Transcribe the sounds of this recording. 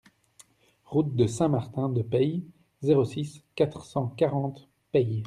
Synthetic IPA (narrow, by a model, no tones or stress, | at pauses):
ʁut̪̚d̪əsɛ̃maʁt̪ɛ̃d̪əpɛji | zeʁosiskat̪χsɑ̃kaʁɑ̃t̪ | pɛj